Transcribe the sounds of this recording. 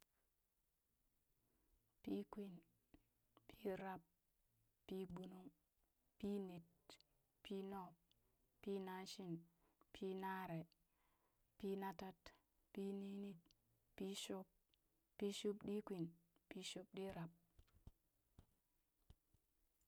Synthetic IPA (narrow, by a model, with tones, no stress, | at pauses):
pi˦kwi˨n | pʰi˦ɾa˦p | pi˦ɡ͡bu˨nu˦ŋ | pi˦ni˨t̚ | pʰi˦no˦˨p | pi˦na˦nʃi˦n | pʰi˦na˦ɾe˨ | pi˦na˦ta˦t | pi˦ni˦ni˦t̚ | pi˦ʃo˦p̚ | pi˦ʃu˦pɗi˦kʷi˨npi˦ʃu˦p̚ɗi˦ɾa˨p̚